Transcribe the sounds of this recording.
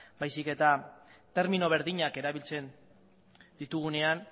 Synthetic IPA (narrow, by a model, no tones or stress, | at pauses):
bajsike̞t̪at̪e̞ɾmino̞β̞e̞ɾðiɲake̞ɾaβilt͡se̞n | d̪it̪uɣ̞une̞an